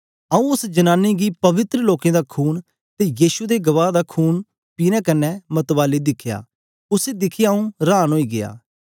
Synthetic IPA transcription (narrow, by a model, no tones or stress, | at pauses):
ɐũʊsd͡ʒɐnaːnːiɡipɐʋɪt̪ɾəloːkẽːd̪aːkʰuːn | t̪ejiːsud̪eɡɐʋaːd̪akʰuːn | piːnɛ̃kɐnːɛmɐt̪ʋaːlid̪ɪkʰːja̰ː | ʊsed̪ɪkʰijaũɾaːnɦoːiːɡɪ̰ja̰ː